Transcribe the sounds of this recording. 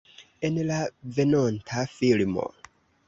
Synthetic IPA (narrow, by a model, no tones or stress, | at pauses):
enelavenontʰafilimo̰